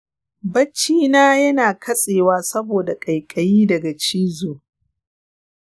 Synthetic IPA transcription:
bɐ˦t͡ʃːiː˦naː˦jɐ˦naː˨kʰɐ˦sʼeː˨waː˦sɐ˦boː˨da˨kʼɐ˨jkʼɐ˨jiː˦dɐ˨ɡa˨t͡ʃiː˦zoː˨

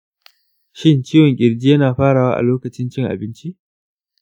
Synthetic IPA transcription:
ʃɪ˦nt͡ʃiː˦wɔ˨ŋkʲʼɪ˨ɽd͡ʒiː˦jɐ˦naː˨ɸaː˦ɽaː˨wa̰ː˦ʔa̰˨loː˦kɐ˨t͡ʃɪ˦nt͡ʃɪ˦˨ŋʔa̰˨bɪ˦nt͡ʃi˦ʔ

